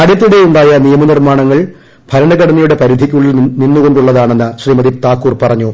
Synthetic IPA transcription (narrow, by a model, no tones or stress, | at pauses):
aːɽjɐt̪̬ːiɽeuɳɖaːjɐnijɐmɐnirmaːɳɐŋːɐɭ | bʱɐɾɐɳɐɣɐɽɐnːijuɽe̞pɐɾid̪ʱikʲːuɭilninːuɣo̞ɳɖuɭːɐðaːɳe̞nːɨɕriːmɐðit̪aːkːuːrpɐrɐɲːu